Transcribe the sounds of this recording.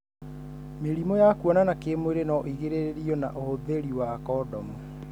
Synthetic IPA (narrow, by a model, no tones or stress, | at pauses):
meɾimɔjakuɔnanakemoweɾenɔʔiɣeɾeɾeɾiɔna̰ʔohoðeɾiwaːkɔdɔmu